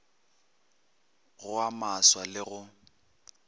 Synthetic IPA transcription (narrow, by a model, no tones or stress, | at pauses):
ɣʊamaswalɪɣʊ